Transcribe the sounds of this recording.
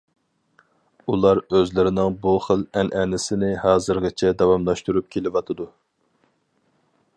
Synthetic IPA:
ulˠɑɾøzlɪɾɪnɪŋbuχəlɛnʔɛnɪsɪnɪhɑːzɨɾʁɨt͡ʃʰɛd̪ɛwɑmlˠɑʃt̪uɾup̚kʲʰelɪvɑt̪ʰɨd̪u

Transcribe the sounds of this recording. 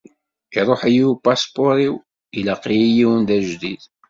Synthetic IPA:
iɾˤoħijiwpɑspoɾiw | iləqːijijiwənd̪æʒd̪id̪

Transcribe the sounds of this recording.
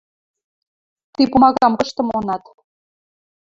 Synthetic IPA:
t̪ipumɑɣɑmkɤ̆ʃt̪ɤ̆monɑt̪

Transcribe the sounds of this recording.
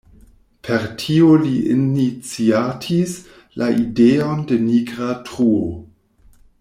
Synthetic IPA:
pʰe̞ɾtʰioliḭnit͡siatʰis | laʔideo̞nde̞niɡɾatɾuo

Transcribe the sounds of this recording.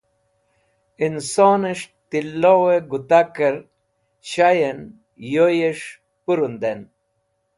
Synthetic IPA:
insoːneʂ | t̪ilːoweɡut̪akeɾ | ɕajen | jojeʂ | puɾund̪en

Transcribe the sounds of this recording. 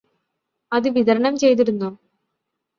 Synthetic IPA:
ɐðɨʋiðɐɾɐɳɐmt͡ɕe̞jt̪̬iɾunːu

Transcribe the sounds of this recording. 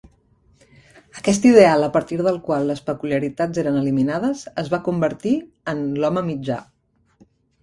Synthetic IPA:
əkɛst̪iðealˠəpəɾt̪iɾðəlˠkwalˠləspəkuliəɾit̪azeɾənəliminaðəzəzβakumbəɾt̪i | ənlɔməmid͡ʒa̰

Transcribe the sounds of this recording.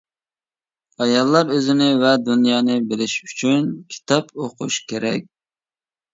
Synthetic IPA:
ɑjɑlˠːɑɾøzɪnɪvɛd̪unjɑːnɨbɪlɪʃyt͡ʃʰynkʲʰi̥t̪ʰɑpoqʰʊʃkʲʰeɾɛ̰k̚ʲ

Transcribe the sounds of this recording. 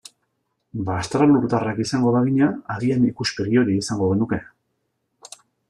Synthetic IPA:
baːst̪ɾaluɾt̪arakisaŋɡo̞ðaɣ̞iɲaaðianikuspe̞ɣio̞ɾiisaŋɡo̞ɣ̞e̞nuke̞

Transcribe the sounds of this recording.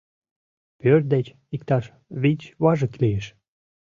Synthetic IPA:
pør̚d̪et͡ɕ | ikt̪ɑʃ | βit͡ɕβɑʒəklijeʃ

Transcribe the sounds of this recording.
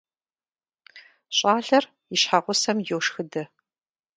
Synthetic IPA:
ɕʼaːɮɐr | jɪʃħaʁʷʊsɐmjowʂxɨdɐ

